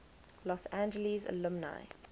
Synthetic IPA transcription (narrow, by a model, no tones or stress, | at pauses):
lɔsæ̃nd͡ʒəlizə̰lʊmna̰ɪ